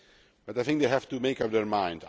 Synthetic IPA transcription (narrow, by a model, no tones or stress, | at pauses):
b̥ʌtaɪθɪ̃ŋkd̪eɪɦæftumeɪkʌp̚d̪əɹmãɪ̃nd